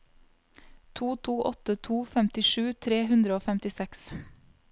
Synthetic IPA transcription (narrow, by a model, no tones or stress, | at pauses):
t̪ʰuːt̪ʰuːʔɔ̰t̪ət̪ʰuːfɛmt̪ɪʃʉːt̪ʰɾeːɦʉnd̪ɾəoːfɛmt̪ɪsɛks